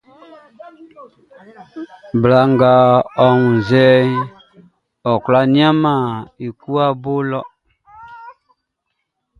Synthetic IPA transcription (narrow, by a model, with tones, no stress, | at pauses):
bla˨ŋɡa˨ɔ˦˨ŋu˨n˨zɛ˦ɲ˦ | ɔ˨kla˦ni˦a˦ma˨i˨ku˦a˦bo˦lɔ˦